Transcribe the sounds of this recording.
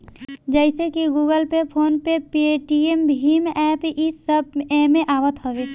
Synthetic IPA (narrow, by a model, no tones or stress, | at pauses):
d͡ʒəɪsekiɡuːɡəlpepʰoːnpepieʈiembʱimeʔɛpʔɪsəbɛmẽʔaːʋət̪ɦɔʋeː